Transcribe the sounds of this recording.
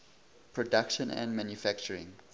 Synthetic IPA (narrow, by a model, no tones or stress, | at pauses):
pʰɹɔdakʃə̃næ̰̃ndmãnjufækt͡ʃəɹɪ̰̃ŋ